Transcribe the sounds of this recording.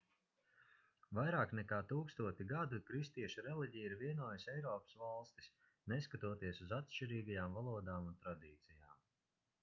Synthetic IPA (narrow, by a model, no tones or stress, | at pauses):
vajɾaːknɛkaːt̪uːkst̪uɔt̪ʲiɡad̪ukɾist̪iɛʃuɾɛliɟijiɾviɛnuːjasɛjɾɔːpə̥svalˠst̪i̥s | nɛskat̪uɔt̪iɛsuzat̪ʃt͡ʃiɾiːɡajaːmvalˠuɔd̪aːmunt̪ɾad̪iːt̪sijaːm